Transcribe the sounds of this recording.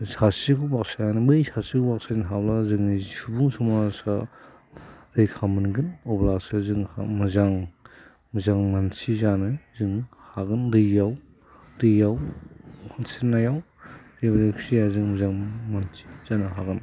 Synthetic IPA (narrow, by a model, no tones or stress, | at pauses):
sasikubak̚sajanɯmɯjsʰasikubak̚sainɦawlazɯŋnizsubuŋsumasa | ɾɯjkʰamɯnɡɯnɔblaksazɯŋha̰mɯzaŋ | mɯzaŋmansizanɯzɯŋ | haɡɯndɯjːaw | dɯjjaw | nsinajaw | debɾeksijazɯŋmɯzaŋmansi̥z̥anɯɦaɡɯn